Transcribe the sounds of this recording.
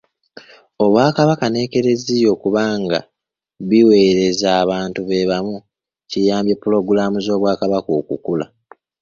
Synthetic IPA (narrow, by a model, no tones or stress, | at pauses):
o̞βwaːkaβakane̞ːke̞ɾe̞zijo̞ːkuβaːŋɡa̰ | βiwe̞ːɾe̞zaːβaːntuβe̞βamu | cijaːmbjepːulo̞ɡulamuzo̞ːβwaːkaβakoːkṵkula̰